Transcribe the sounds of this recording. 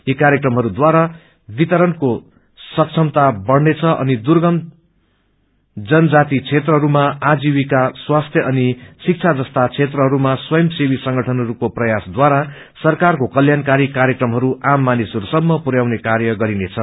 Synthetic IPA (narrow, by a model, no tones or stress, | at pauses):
jikaɾjekrʌmɦʌɾud̪waɾa | bit̪ʌɾʌnko | sʌk̚t͡sʰʌmt̪abʌɽnet͡sʰʌʔʌ̰nid̪urɡʌn | d͡zʌnʌd͡zat̪it͡sʰet̪rʌɦʌɾumaad͡ziwikaswast̪ʰjʌʔʌnisik̚t͡sʰad͡zʌst̪at͡sʰet̪rʌɦʌɾumaswʌjʌmsewisʌŋɡʌʈʰʌnɦʌɾukoprʌjasd̪waɾa | sʌrkarkokʌljankaɾikaɾjʌkrʌmɦʌɾuʔamːanisɦʌɾusʌmːʌpuɾjawnekaɾjʌɡʌɾinet͡sʰʌ